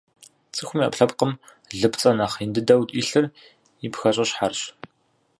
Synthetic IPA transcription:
t͡sʼɨxʷʊmja̰pɬɐpqəm | ɮɨpt͡sʼɐnaːχindɨdɐwtʼiːɬɨr | ipxɐɕʼɐɕħarɕ

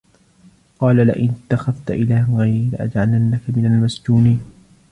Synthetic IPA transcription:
qɑːlalɪ̰ʔɪnɪt̪ːaxavt̪aʔɪlaːhɣajɾila̰ʔa̰d͡ʒʕalanːakamɪnalmasd͡ʒuːniːn

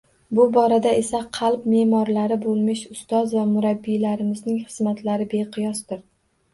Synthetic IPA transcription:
bʊbɒɾad̪ae̞saqʰɑlˠpme̞ːmɒɾlaɾɪbolˠmɪʃʊst̪ɒzvamʊɾabːijlaɾɪmɪznɪŋχɨzmat̪laɾɪbe̞qʰɨjɒsd̪ɪɾ

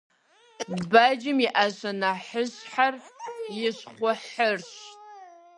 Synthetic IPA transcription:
dbad͡ʒɪmiʔaʃʷanaħəɕħarjɪɕχʷʊħərɕʼ

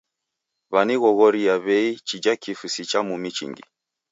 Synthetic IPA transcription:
βaniɣɔɣɔɾijaβɛit͡ʃid͡ʒakifusit͡ʃamumit͡ʃḭŋɡḭ

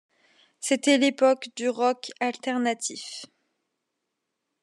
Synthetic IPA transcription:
set̪ɛlepɔkd̪yʁɔkalt̪ɛʁnat̪ʰif

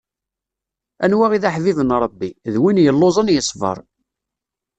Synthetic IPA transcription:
ænwæʁiðaħvivənɾˤəbːiðwinjəlːozˤənjəsˤvə̰ɾˤ

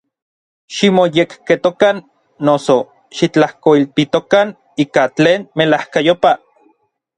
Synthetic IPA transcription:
ʃimojekket̪okanː | oso | ʃit͡ɬahkoilt̪it̪okan | iːkat͡ɬeːnmelahkajopa

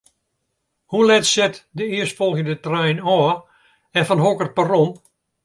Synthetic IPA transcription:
hulɛtsɛtdəɪərstfɔlˠɣəndətrɛjnɔː | ɛnfɔnɦokər̚pərɔm

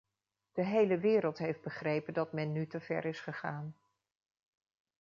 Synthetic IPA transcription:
d̥əɦejləʋɪːɾəlˠtɦejfd̚bəχrejpəndɑtmɛnːytəv̥ɛ̰ɾɪsχəχaːn

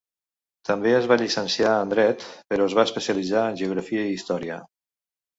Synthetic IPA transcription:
t̪əmbeəzβaʎisənsjaənd̪ɾɛt̪pəɾɔəzβaəspəsiəlid͡zaənʲʒeuɣ̞ɾəfiəiist̪ɔɾiə̰

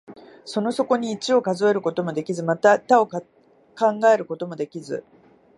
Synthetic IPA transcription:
so̞no̞so̞ko̞ɲ̟iːt͡ɕio̞kazo̞e̞ɾɯ̟ko̞t̪o̞mo̞d̪e̞kʲizɨmat̪at̪ao̞k | kãŋɡae̞ɾɯ̟ko̞t̪o̞mo̞d̪e̞kʲizɨ̰

